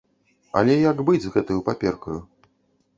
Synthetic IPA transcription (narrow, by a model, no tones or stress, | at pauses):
ɐ̰lʲɛjaɡbɨd͡zʲzɣɛt̪ujupapʲɛrkɐju